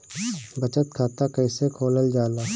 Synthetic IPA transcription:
bət͡ʃət̪kʰaːt̪akəɪsekʰoːləld͡ʒaːlaː

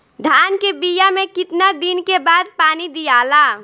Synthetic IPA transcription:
d̪ʱaːnkebijamẽkɪt̪nad̪inkebaːd̪̚paːnid̪ijaːla

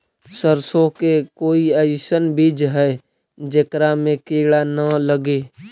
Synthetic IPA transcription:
səɾsõkekoːiəɪsənbiːd͡ʒɦɛː | d͡ʒəkɾamẽkeːɭanələɡeː

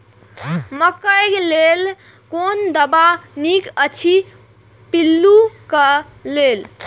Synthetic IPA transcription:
məkəjklel | kond̪əbanikət͡ʃʰi | pilːukəlel

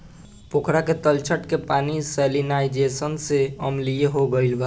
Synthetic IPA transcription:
pokʰɾaket̪əlt͡ʃʰəʈkepaːnisɛlinaːɪd͡ʒesənseəmlijeɦoɡəɪlba

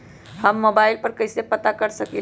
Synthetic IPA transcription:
həmːobaɪlpəɾkəɪsepət̪akəɾsəki

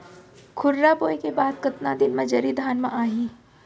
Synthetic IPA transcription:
kʰʊɾːaboːjkebaːd̪kɐt̪nad̪ɪnmẽd͡ʒɐɾid̪ʱaːnmẽʔaːɦĩː

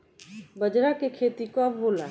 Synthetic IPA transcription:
bəd͡ʒɾakekʰeːt̪ikoəbbola

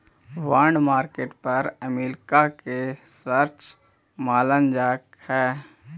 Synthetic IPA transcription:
ʋaːɳɖmaːɾkeːʈpɐɾəmiːlkakesəɾt͡ʃ | maːlənd͡ʒaːk | hɛː

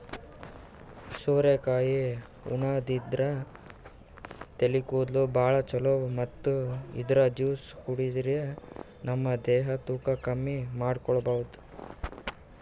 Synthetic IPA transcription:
soːɾekaːji | ṵɳad̪id̪ɾɐ | t̪elikuːd̪lubʱaːɭɐt͡ʃɐlomɐt̪ːuḭd̪ɾɐd͡ʒiːshuɽid̪ɾe | nɐmːɐd̪ɛːɦɐt̪uːkɐkɐmːimaːɖkɔɭɐbɐʋud̪u̥

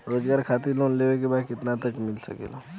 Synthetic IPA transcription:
ɾoːzɡaːɾkʰat̪ilonleʋekebakɪt̪nat̪əkmɪlsə̰kḛla

